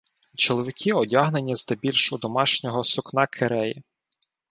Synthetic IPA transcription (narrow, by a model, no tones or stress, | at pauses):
t͡ʃɔlˠɔʋʲɪkʲʰiɔdʲaɦnenʲːizd̪ɐbʲilʲʃʊd̪ɔmɑʃnʲɔɦɔsʊknɑkʰeɾɛji